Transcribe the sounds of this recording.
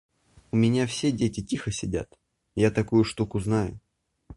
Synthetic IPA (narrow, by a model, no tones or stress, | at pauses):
ʊmʲɪnʲafsʲedʲetʲɪtʲixəsʲɪdʲa̰t̪ | jat̪ɐkujʊʂt̪ukʊznajʊ̰